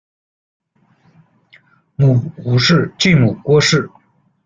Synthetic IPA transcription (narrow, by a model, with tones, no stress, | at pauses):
mu˨˩xu˨˥˦ʂɻ̩˥˧t͡ɕi˥˩mu˨˩kwɔ˥ʂɻ̩˥˩